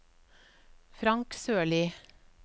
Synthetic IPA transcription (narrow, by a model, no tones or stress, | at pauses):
fɾɑŋksøːɭiː